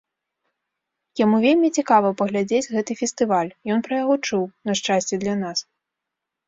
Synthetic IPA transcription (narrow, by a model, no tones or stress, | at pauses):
jamuvʲelʲmʲit͡sʲikavɐpɐɣlʲad͡zʲed͡zʲɣɛt̪ɨfʲɛst̪ɨvalʲjɔnpɾɐjaɣɔt͡ʂuwnɐʂt͡ʂasʲt͡sʲɛd̪lʲanas